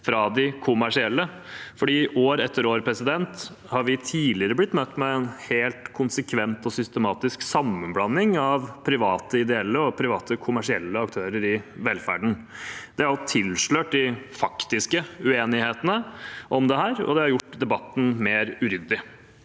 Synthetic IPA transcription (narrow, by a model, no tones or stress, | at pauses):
fɾɑd̪ɪkʰʊmæʂɪɛlːə | fɔɖiːʔoːɾɛt̪ʰːəɾoːɾpʰɾɛsɪd̪ɛnt̪ | hɑɾʋɪt̪ʰiːlɪəɾəblɪt̪ːmɛt̪ːmɛɛnheːlt̪kʰʊnsəkʰʋɛnt̪ɔsʏst̪əmɑːt̪ɪsksɑmːənblɑnːɪŋɑʋpʰɾɪʋɑːt̪əɪd̪ɛɛlːəɔpʰɾɪʋɑːt̪əkʰʊmæʂɪɛlːəɑkt̪ʰøːɾəɾɪʋɛlfæ̰ɖɳ̩ | d̪ɛæɾɑt̪ʰɪlʂɭøːʈ̚d̪ɪfɑkt̪ɪskəʉeːnɪheːt̪ənəʔɔmd̪ɛɦæːɾɔ̰d̪ɛhɑɾjʊʈːd̪ɛbɑt̪ːn̩meːɾʉɾʏd̪ːɪ